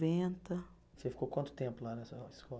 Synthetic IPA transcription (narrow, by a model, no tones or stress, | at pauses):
ẽnt̪ɐ | sefi̥kokwɐ̃t̪ʊ̥t̪ẽmpʊlanɛsɐɪskɔ